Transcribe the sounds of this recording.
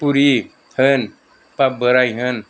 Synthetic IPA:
puɾi | hən | pabəɾajɦən

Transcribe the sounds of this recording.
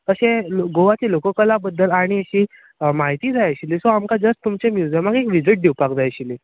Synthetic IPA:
k̪əɕẽɡoʋat͡ɕelokəkəlabəd̪ːəlaɽ̃iəɕiː | maɦit̪iːd͡zʱajaɕilisoamkad͡zəst̪t̪umt͡ɕemjud͡zəmaɡekʋid͡ziʈ̚ɖʱewpakd͡zʱajɕili

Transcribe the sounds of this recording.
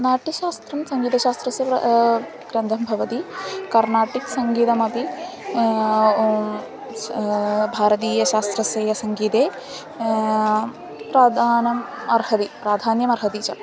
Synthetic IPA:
naːʈiʃaːst̪ɾɐmsɐŋɡiːt̪ɐʃaːst̪ɾɐsɐpɐ | ɡɾɐnd̪ʱɐmbʱɐʋɐt̪ikɐɾnaːʈiksɐŋɡiːt̪ɐmɐp̪i | bʱaːɾɐt̪iːjɐʃaːst̪ɾɐsɐjɐsɐŋɡiːt̪eː | pɾaːd̪ʱaːnɐm | ɐɾhɐt̪ipɾaːd̪ʱaːnjɐmɐɾɦɐt̪iːt͡ʃɐ̰

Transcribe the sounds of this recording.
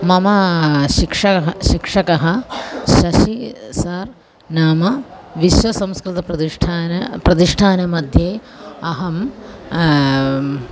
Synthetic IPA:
mɐmɐʃikʂɐɐɦɐʃikʂɐkɐɦɐʃɐʃisɐɾ | naːmɐ | ʋiʃʋɐsɐmskɾit̪ɐpɾɐiʈʰanɐpɾɐt̪iʂʈʰaːnɐmɐd̪ʱjeː | ɐɦɐm

